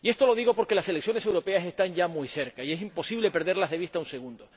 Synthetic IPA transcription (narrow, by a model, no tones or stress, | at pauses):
ie̞st̪o̞lo̞ðiɣo̞po̞ɾke̞lase̞leksjo̞nes̬e̞wɾo̞pe̞ase̞st̪aɲɟ͡ʝamujse̞ɾkaie̞simpo̞siβle̞pe̞ɾðe̞ɾlazðe̞βist̪aunse̞ɣũnd̪o